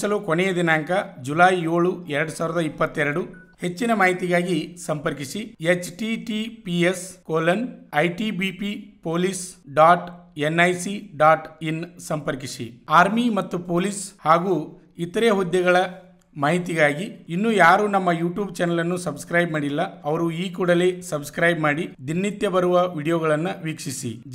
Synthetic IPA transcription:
sɐlukonɛjɐd̪inaːŋkɐd͡ʒulaːjo̞ːɭuɛɾɐɽusaːʋiɾɐd̪ɐipːɐt̪ːɛɾɐɽu | he̞t͡ʃːinɐmaːɦit̪iɡaːɡisɐmpɐɾkiʂiet͡ʃʈiʈipieskoːlɐnɐjʈibipipoːlisɖaːʈenːɐjsiɖaːʈinsɐmpɐɾkisḭaːɾmimɐt̪ːupo̞ːlishaːɡuː | it̪ɐɾeːɦud̪jɛɡɐɭɐ | maːɦit̪iɡaːɡiinːuːjaːɾuːnɐmːɐjuːʈjuːbt͡ʃɛnɐlɐnːusɐbskɾɐjbmaːɽilːɐɐʋɐɾuiːkuːɽɐleːsɐbskɾɐjbmaːɽid̪inːit̪jɐbɐɾuʋɐʋiːɽijɔːɡɐɭɐnːɐʋiːkʂisḭ

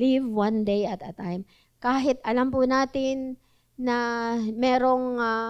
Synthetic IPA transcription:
livwãnd̪ejɐt̪ɐt̪ajm | kaːɦɪt̪ʔɐlampʊnaːt̪ɪnː | ɐmɛːɾo̞ŋa

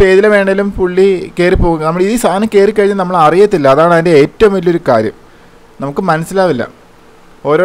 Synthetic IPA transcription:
peːðilɐʋe̞ːɳːɐðilumpuɭːikeːripoɣuŋːɐnɐmːuɭiðist̪ʰaːnɐmke̞ːrikːɐɻiɲːɐnɐmːɐɭɐrijɐt̪ːilːɐːɐðaːɳɐðinde̞eːtːɐʋmilːo̞ɾuka̰ːɾjɐ̰m | nɐmukːɨmɐnɐsːilaːʋilːɐ̰ | o̞ːɾoː

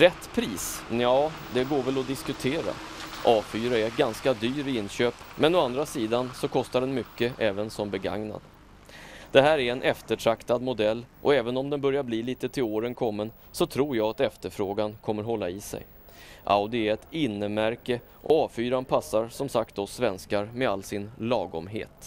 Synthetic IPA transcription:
ɾɛt̪ːpʰɾiːsjɑː | d̪ɛɡoːɾvɛlɔd̪ɪskɵt̪ʰeːɾa̰ | ʔɑːfyːɾaɛɾɡanskad̪yːɾɪɪnːɕøːpmɛnɔand̪ɾasiːd̪ansɔkʰɔst̪aɖɛnmʏkːəʔɛːvənsɔmbɛɡa̰ŋna̰d̪ | d̪̥ɛɦæːɾæɾɛnʔɛft̪əʈʰɾakt̪ad̪mʊd̪ɛlːʔɔ̰ɛːvənɔmd̪ɛnbœɾjaɾbliːliːt̪ət̪ʰɪloːɾənkʰɔmːən | sɔt̪ʰɾuːɾjɑːat̪ɛft̪əɾfɾoːɡankʰɔmːəɾɦɔlːaɪsɛ̰j | ʔa̰ʊd̪ɪɛɛt̪ɪnːəmæɾkə | ʔɔ̰ɑːfyːɾanpʰasːaɾsɔmsak̚t̪̚d̪ɔsvɛnskaɾmɛalːsɪnlɑːɡɔ̰mɦḛːt̪

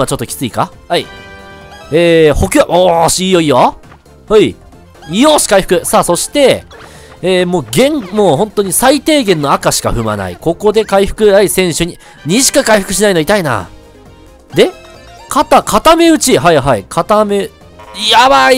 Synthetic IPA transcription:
at͡ɕo̞t̪ːokʲi̥t͡sɨikahai | eːho̞kʲaʔoɕiːjo̞ijo | hɯi | ijoːɕi̥kaiɸɯ̟̥kɯ̟saːso̞ɕi̥t̪e̞ː | moːɡẽ̞ŋmoːhõ̞nt̪o̞ɲ̟isait̪e̞ːɡẽ̞nːo̞akaɕi̥ka̰ɸɯ̟ma̰na̰ḭko̞ko̞d̪e̞kaiɸɯ̟̥kɯ̟aisẽ̞ɰ̃ɕɨɲ̟i | ɲ̟iɕi̥kakaiɸɯ̟kɯ̟ɕinaino̞it̪aina̰ | d̪e̞ | kʰat̪akʰat̪ame̞ɯ̟t͡ɕiɦaiɦaikʰat̪ame̞ | jabai

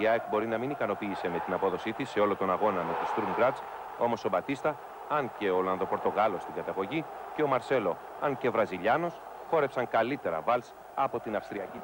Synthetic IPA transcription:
iɐekbo̞ɾinɐminikɐno̞piːse̞me̞t̪inɐpo̞ðo̞sit̪isːe̞o̞lot̪o̞nɐɣo̞nɐme̞t̪ist̪ɾumɡɾɐd̪s | o̞mo̞so̞bɐt̪ist̪ɐ | ɐnce̞olɐnðopo̞ɾt̪o̞ɣɐlo̞st̪iŋɡɐt̪ɐɣo̞ʝice̞o̞mɐɾse̞lo̞ | ɐnce̞vɾɐziʎɐno̞s | xo̞ɾe̞psɐŋkɐlit̪e̞ɾɐ̰vɐls | ɐpo̞t̪inɐfst̪ɾiɐci

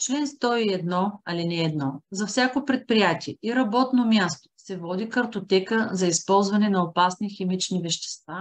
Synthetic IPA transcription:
t͡ʃlɛnst̪ɔiɛd̪nɔɐlinɛːd̪nɔzɐfsʲakopɾɛt̪̚pɾijat̪ʲiɛiɾɐbɔt̪nomʲjast̪o̥sɛvɔd̪ikɐɾt̪ot̪ɛkəzɐispɔlˠzvɐnɛnɐopasniximit͡ʃnivɛʃt̪ɛ̥st̪va

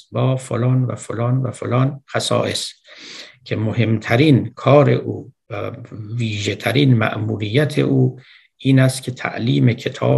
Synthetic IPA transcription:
bɒːfolɒːnvæ̰folɒːnvæfolɒːnxæsɒ̰ːʔes | cʰe̞mohe̞mt̪ʰæɾiːnkʰɒːɾe̞̰ʔuːvæviːʒet̪ʰæɾiːnmæ̰ʔmuːɾijːæt̪ʰḛʔuː | iːnæst̪kʲʰe̞t̪ʰæ̰ʔliːme̞cʰe̞t̪ʰɒ̰ː

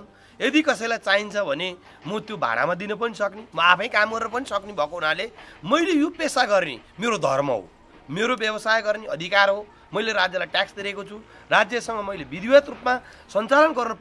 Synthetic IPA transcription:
n | ed̪ikʌsʌjlajt͡saint͡sʰʌbʱʌne | mʌt̪jobʱa̰ɽa̰mad̪inʌp̬ʌnisʌknimʌapʰʌ̃j̃kamɡʌɾɾp̬ʌnisʌknibʱʌkoɦunalemʌjlejopesaɡʌrnḭmeɾod̪ʱʌrmʌ̰ɦo̰ | meɾobjʌbʌsajɡʌrniʌd̪ʱikarɦo | mʌjleɾad͡zjʌlajʈaksd̪iɾekot͡sʰu | rad͡zjʌsʌŋʌmʌjlebid̪ʱiwʌt̪rupma | sʌnt͡salʌnɡʌrnʌp

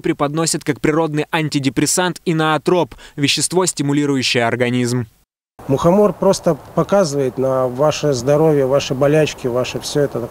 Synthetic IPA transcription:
pɾʲɪpɐd̪nosʲət̪̚kak̚pɾʲɪɾo̞d̪nɨjʔɐnʲtʲɪdʲɪpɾʲɪsant̪inɐɐt̪ɾo̞pvʲɪɕːɪst̪vo̞sʲtʲɪmʊlʲiɾʊjʉɕːɪjəɐrɡɐnʲizm | mʊxɐmorpɾo̞st̪əpɐkazɨvəjɪt̪nɐvaʂɨzd̪ɐɾo̞vʲjəvaʂɨbɐlʲæt͡ɕkʲɪvaʂɨfsʲɵɛt̪ə

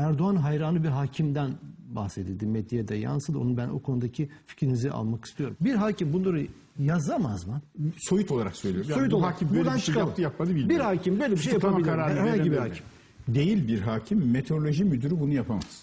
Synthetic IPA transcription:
æɾd̪oanɦajɾaːnɯbiɾɦaːcʰimd̪ænba̰hsed̪ed̪imed̪jed̪ɛja̰nsɯlnubæno̰kʰo̞nud̪acʰifi̥cɾiniziʔa̰lˠmaki̥st̪ʰijo̞ɾumbiɾɦaːcʰimbunlˠaɾɯ | jazamazmɯso̞jut̪ʰo̞lˠaɾaksøjlʲijoɾojuoaimbuant͡ʃʰk̪ʰˠt̪ɯjap̚mad̪ɯbilʲbiɾhaːcʰimbøjlʲeiʃejaabilʲɾaɾaɾajaɲɟibiihaːcʰim | d̪e̞jilʲbiɾɦaːcʰimːet̪ʰeɾolʲo̞ʒimyd̪yɾybunujapʰama̰z

